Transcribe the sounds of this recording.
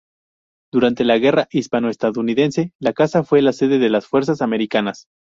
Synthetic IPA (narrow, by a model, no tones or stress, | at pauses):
d̪̥uɾant̪e̞laɣe̞raʔispanoest̪aðouniðe̞nse̞lakasafwelase̞ðe̞ðe̞lasfwe̞ɾs̬asame̞ɾikanas